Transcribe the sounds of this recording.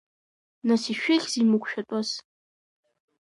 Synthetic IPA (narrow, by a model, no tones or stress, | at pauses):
nasiʃᶣeχʲzimɨkʷʰʼʃᶣatʼaz